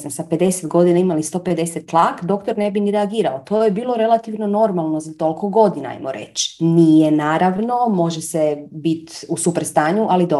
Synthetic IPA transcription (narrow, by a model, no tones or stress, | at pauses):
samsape̞d̪e̞set̪ɡo̞d̪inaimalist̪o̞pe̞d̪e̞set̪ːlˠakd̪o̞kt̪o̞ɾne̞biniɾeaɡiːɾaot̪o̞jebiːlˠo̞ɾe̞lˠat̪iʋno̞no̞ɾmalˠno̞zat̪o̞lˠko̞ɡo̞d̪inaa̰jmoɾe̞̰t͡ɕnije̞naːɾaʋno̞mo̞ʒesebit̪usupɾst̪aːɲuʔalid̪o